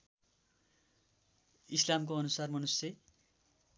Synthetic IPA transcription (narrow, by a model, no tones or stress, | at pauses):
islamkoʌnusarmʌnuse